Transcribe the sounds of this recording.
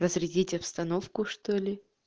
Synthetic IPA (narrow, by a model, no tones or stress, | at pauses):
ɾəzɾʲɪdʲitʲɐpst̪ɐnofkʊʂt̪olʲɪ